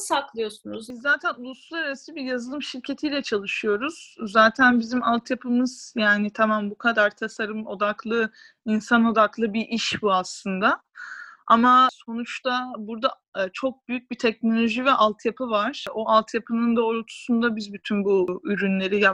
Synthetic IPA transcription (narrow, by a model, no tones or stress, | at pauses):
saklˠɯjosunuzizːaːt̪ʰænulˠusulˠaɾaɾasibiɾjazɯlˠɯmʃiɾcʰe̞t̪ʰijlʲɛt͡ʃʰalˠɯʃɯjo̞ɾuz̥ːaːt̪ʰænbizimalˠt̪ʰjapʰɯmɯz̥jaːnɪt̪ʰamanbukʰad̪aɾt̪ʰasaɾɯmo̞d̪aklˠɯ | insano̞d̪aklˠɯbiʔiʃbuaslˠɯnd̪a | a̰maso̞nut͡ʃt̪ʰabuɾd̪a | t͡ʃʰo̞k̚byjyc̚bit̪ʰɛc̚no̞lʲo̞ʒivɛʔalˠt̪ʰjapʰɯvaɾ̥o̞ʔalˠt̪ʰjapʰɯnɯnd̪aoɾut̪ʰu̥sund̪abizbyt̪ʰynbuyɾynlʲe̞ɾija